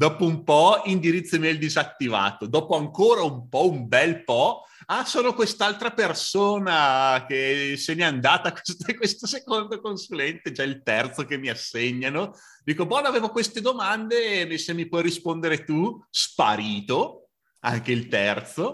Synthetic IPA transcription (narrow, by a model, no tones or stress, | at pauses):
d̪ɔːpoumpɔind̪iɾit̪sːomiɛild̪izat̪ːiva̰ːt̪od̪ɔːpoaŋkoːɾaumpɔumbɛlpɔ | asoːnokwest̪alt̪ɾapersoːnakeseneand̪aːt̪akwest̪kwest̪osekond̪okonsulɛnt̪ed͡ʒailt̪ɛrt̪sokemːiasːeɲːano | d̪iːkobɔnaveːvokwest̪ed̪omand̪emesemːipwɔjrispond̪eɾet̪uspa̰ɾiːt̪o | a̰ŋkeilt̪ɛrt̪so